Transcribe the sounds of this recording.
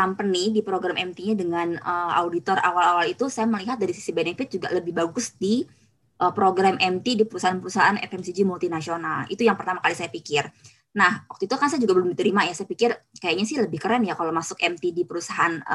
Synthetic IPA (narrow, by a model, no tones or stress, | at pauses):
kampənidipɾoɡɾamɛmt̪iɲadəŋanəa̰wdit̪ɔra̰walawalit̪usajaməliɦat̪̚daɾisi̥sibenefɪt̪̚d͡ʒuɡa̰ʔləbɪhbaɡʊsdi | ʔəpɾoɡɾamʔɛmt̪idipəɾusaanpəɾusaɦaʔanɛ̰fɛmsid͡ʒimult̪inasionalḭt̪ujaŋpərt̪amakalisajapikɪr | nahwak̚t̪uit̪ukansajad͡ʒuɡabəlʊmdit̪əɾimajasajapikɪrkajaɲasɪhləbɪhkəɾanjakalomasʊkɛmt̪idipəɾusaɦan